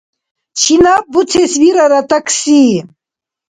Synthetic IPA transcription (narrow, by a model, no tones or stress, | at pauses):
t͡ʃʰinabutʰɛsviɾaɾat̪ʼaksi